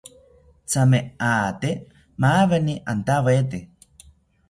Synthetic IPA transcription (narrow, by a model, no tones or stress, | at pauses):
t͡sameaːt̪e | maβeniʔant̪aβet̪̬e